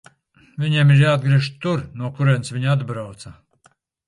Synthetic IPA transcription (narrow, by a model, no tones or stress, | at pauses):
vʲiɲeɛmiɾjaːd̪ɡɾiɛʃt̪uɾnuɔkuɾɛnsviɲad̪bɾawt̪sa